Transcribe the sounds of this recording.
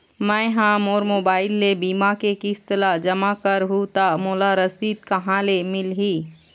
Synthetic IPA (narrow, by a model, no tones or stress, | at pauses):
mə̃jɦãmoːɾmoːbaːɪlːebiːmakekɪst̪əlad͡ʒəmakəɾɦut̪amoːlaɾəsiːd̪̚kəɦãlemɪlɦiː